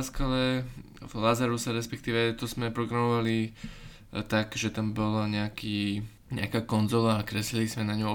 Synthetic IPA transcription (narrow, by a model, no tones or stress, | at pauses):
skalɛ | vlazaɾusaɾɛspɛk̚t̪iːʋɛt̪ɔzmɛpɾɔɡɾamɔʋali | t̪aɡʒɛt̪ambɔlaɲɛakiː | ɲɛ̰akaːkɔnzɔlaːkɾɛslilizmɛnaɲɔm